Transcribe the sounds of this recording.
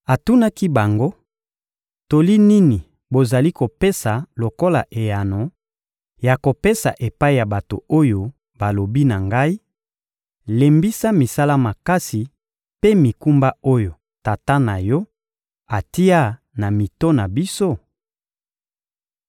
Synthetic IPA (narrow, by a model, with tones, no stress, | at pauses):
a˨tu˦na˦ki˦ba˨ŋɡo˦ | to˨li˦ni˦ni˨ | bo˨za˨li˦ko˨pe˦sa˨lo˨ko˦la˨ʔe˨ja˨no˨ | ja˨ko˨pe˦sa˨ʔe˨pa˦i˨ja˨ba˨to̰˨o˦jo˨ | ba˨lo˨bi˦na˨ŋɡa˦i˦ | le˨mbi˦sa˦mi˨sa˦la˦ma˨ka˦si˨ | pe˦mi˨ku˦mba˦o˦jo˨ | ta˨ta˦na˨jɔ˦ | a˨ti˦a˦ | na˨mi˨to˦na˨bi˦so˦